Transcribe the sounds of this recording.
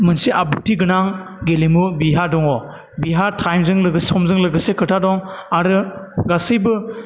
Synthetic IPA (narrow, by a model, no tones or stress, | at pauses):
mɯnsiʔabutʰiɡɯnaŋ | ɡelimubiɦadɔŋɔ | biɦatʰajmzɯŋlɯɡɯsɔmzɯŋlɯɡɯsekʰɯtʰadɔŋaɾɯɡasɯjbɯ